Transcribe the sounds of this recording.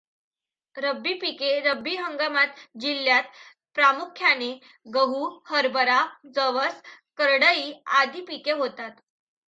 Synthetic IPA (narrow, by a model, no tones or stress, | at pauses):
ɾəbːiːpikeɾəbːiɦəŋɡamat̪d͡ʑilːjat̪ | pɾamukʰːjane | ɡəɦuhəɾbəɾad͡zəʋəs | kəɾɽəiːad̪ʱiːpikeɦot̪at̪